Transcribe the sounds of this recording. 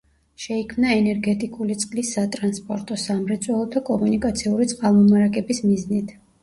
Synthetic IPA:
ʃɛikʰmnaɛnɛɾɡɛt̪ʼikʼulit̪sʼqʼlisːat̪ʼɾanspʼɔɾt̪ʼɔsamɾɛt̪sʼwɛlˠɔt̪ʰɔkʼɔmunikʼat̪sʰiuɾit̪sʼqʼalˠmɔmaɾakʼɛbismiznit̪ʰ

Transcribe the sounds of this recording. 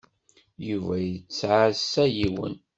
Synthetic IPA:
juvæjət͡sːʕasːæjiwə̰n

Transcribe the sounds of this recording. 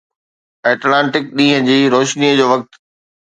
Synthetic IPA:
eːʈlãːɳʈɪk̚ɗĩːɦə̃d͡ʑiːɾoːʃniəd͡ʑoːʋɐk̚t̪

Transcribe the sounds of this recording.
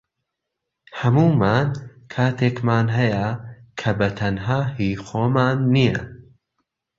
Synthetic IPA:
hɐmuːmaːnkʰaːt̪ʰeːkmaːnɦɐjɐkʰɐbɐt̪ʰɐnɦaːhiːxoːmanːijɐ

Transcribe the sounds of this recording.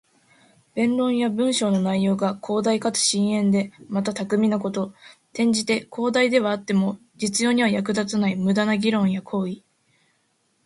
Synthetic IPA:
b̥ẽ̞nɾõ̞ɰ̃jabɯ̟̃ɰ̃ɕo̞ːno̞naijo̞ːɡakʰo̞ːd̪aikat͡sɨ̥ɕĩɰ̃ẽ̞nd̪e̞mat̪at̪akɯ̟mʲinako̞t̪o̞t̪ẽ̞ɲ̟d͡ʑit̪e̞kʰo̞ːd̪aid̪e̞βaːt̪ːe̞mo̞ | d͡ʑit͡sɨjo̞ːɲ̟iβajak̬ɯ̟d̪at͡sɨnaimɯ̟d̪anaɡʲiɾõ̞ɰ̃jakʰo̞ːi

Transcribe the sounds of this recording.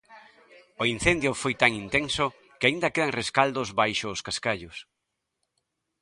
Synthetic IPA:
oinθend̪jʊfojt̪aŋint̪eŋsʊ | kɪaind̪ɐkeðaŋreskald̪ozβajʃʊːskaskaʎʊs

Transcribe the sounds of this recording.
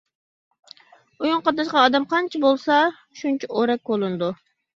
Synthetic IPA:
ujuɴqɑt̪ːɑʃqɑːd̪ɛmqʰɑnt͡ʃʰibolˠsɑ | ʃunt͡ʃʰɛoɾɛk̚ʲbolˠɨnɨd̪u

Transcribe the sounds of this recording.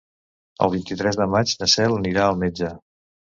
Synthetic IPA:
ə̰lˠβ̞int̪it̪ɾɛzðəmad͡ʒnəsɛlˠəniɾaəlˠmed͡ʒə

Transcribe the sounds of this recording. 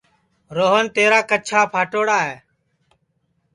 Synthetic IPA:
ɾoːɦənt̪eːɾaːkət͡ʃʰaːpʰaːʈoːɽaːɦeː

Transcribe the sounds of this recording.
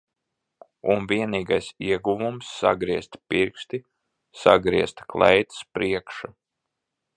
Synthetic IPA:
unviɛniːɡajsiɛɡuvumsːa̰ɡɾiɛst̪piɾkst̪i | sa̰ɡɾiɛst̪klˠɛ̰jt̪spɾiɛkʃa

